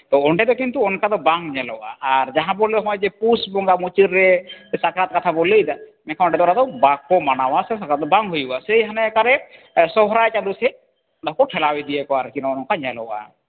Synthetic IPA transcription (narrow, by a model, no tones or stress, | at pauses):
t̪ɔɔɳʈɛd̪ɔkint̪uɔnkad̪ɔbaŋɲɛlɔwʔa̰ʔaɾd͡ʒaɦãbɔlɛd̪ɔɦɔ̃jd͡ʒɛpusbɔŋɡamut͡ʃiɾːɛsakɾat̪̚kat̪ʰabolejd̪amɛkʰaɔɳʈɛd̪ɔɾad̪ɔbakɔmanawasɛsakɾat̪̚d̪ɔbaŋɦojuasejɦanɛkaɾɛ | sɔɦɾajt͡ʃad̪usɛ | d̪ɔkɔʈʰɛlawid̪iɛkɔaɾkinɔɔnɔŋkaɲɛlɔ̰wʔa̰